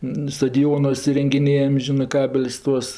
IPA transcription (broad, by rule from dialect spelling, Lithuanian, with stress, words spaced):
nʊ stɐdʲɪˈjoːnuɔs ɪrʲɛŋʲɡʲɪˈnʲeːjɛm ˈʒʲɪnɜ ˈkɑːbʲɛlʲsʲ ˈtuɔs